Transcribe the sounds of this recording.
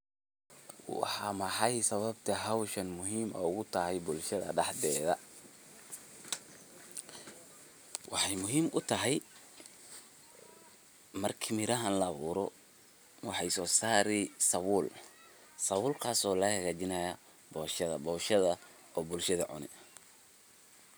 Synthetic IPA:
wɑ̰ħɑmɐħɑjsɐβɐbt̪ʰɐɦɐwʃɐnmʊɦiːmɐʊɣʊt̪ʰɐɦɛjbʊlʃɐðɐ̰ɖɑħd̪ɛːðɐ | wɑħɑjmʊɦiːmʔʊt̪ʰɐɦɛj | mɐrkʰɪmɪɾɐɦɐnlɐːβuːɾɔ | wɑħɑjsɔːsaːɾɛsɐwʊːl | sɐwʊːlkʰaːsɔːlɐhɐɣaːt͡ʃɪnɐja | bɔːʃɐðɐ̰bɔːʃɐðɐ | ɔːbʊlʃɐðɐʕʊ̰nɪ̰

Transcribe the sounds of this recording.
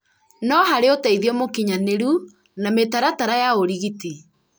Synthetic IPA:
nɔɦaɾeotaiðiɔmokiɲaneɾu | nametaɾataɾajaoɾiɣiti

